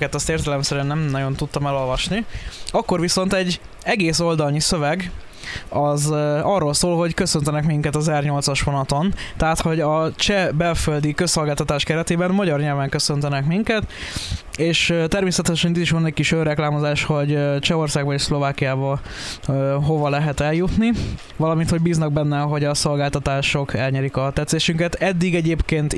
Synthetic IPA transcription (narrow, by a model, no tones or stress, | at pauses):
kɛt̪ɛst̪eːrt̪ɛlɛmsɛɾynːɛmnɒɟo̞nt̪ut̪ːɒmɛlo̞lvɒʃniɒkːo̞rvʋiso̞nt̪ɛɟː | ɛɡeːso̞ld̪ɒlnisø̞vɛɡ | ɒzɒrːo̞lsoːlɦo̞ɟkø̞sønt̪ɛnɛkmiŋkɛt̪ɒzɛrɲo̞lt̪sɒʃhonɒt̪o̞nt̪ɛɦaːt̪ho̞ɟɒt͡ʃɛbɛlføld̪ikø̞sːo̞lɡaːlt̪ɒt̪aːʃkɛɾɛt̪eːbɛnmɒɟɒrɲɛlvɛŋkø̞sønt̪ɛnɛkmiŋkɛt̪ | eːʃt̪ɛrmeːsɛt̪ɛʃɛnit̪iʃʋɒnɛcʲkiʃørɛklaːmo̞zaːʃho̞ɟt͡ʃɛo̞rsaːɡ̚bɒeːʃslo̞vaːkijaːbɒ | øɦo̞vɒlɛɦɛt̪ɛljut̪ni | ʋɒlɒminho̞ɟbiːznɒɡ̚bɛnːɛɦo̞ɟɒso̞lɡaːlt̪ɒt̪aːʃo̞kɛlɲɛɾikɒt̪ɛt̪seːʃyŋkɛt̪ɛd̪ːiɡɛɟeːpkeːnt̪